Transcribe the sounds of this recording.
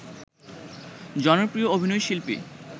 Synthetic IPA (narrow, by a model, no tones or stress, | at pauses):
d͡ʑɔnopɾioobʱinojʃilpḭ